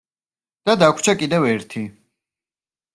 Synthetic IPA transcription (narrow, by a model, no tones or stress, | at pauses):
d̪̥ad̪akʷʰt͡ʃʰakʼid̪ɛvɛɾt̪ʰi